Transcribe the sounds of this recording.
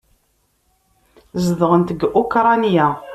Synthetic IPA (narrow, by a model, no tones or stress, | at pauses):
zəðʁənt̪əɡukɾˤɑnja